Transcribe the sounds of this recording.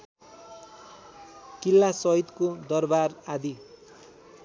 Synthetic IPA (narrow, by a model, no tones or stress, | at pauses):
kilːasʌit̪kod̪ʌrbarad̪i